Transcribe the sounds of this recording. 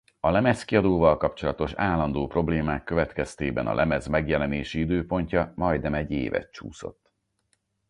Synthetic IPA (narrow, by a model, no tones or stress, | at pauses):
ɒlɛmɛskiɒd̪oːvɒlkɒpt͡ʃo̞lɒt̪o̞ʃaːlːɒnd̪oːpro̞bleːmaːkːøvɛt̪kɛst̪eːbɛnɒ̰lɛmɛzmɛɡjɛlɛneːʃiid̪øːpo̞ɲcɒmɒjd̪nɛmɛɟːḛːvɛ̰t̪t͡ʃṵːso̞̰t̪ː